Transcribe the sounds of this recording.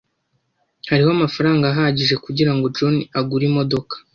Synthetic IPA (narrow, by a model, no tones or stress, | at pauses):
haɾiho̞amafaɾaːŋɡaːɦaɟiʒe̞kuɟiɾaŋɡo̞d͡ʒo̞niaɡuɾimo̞do̞kḁ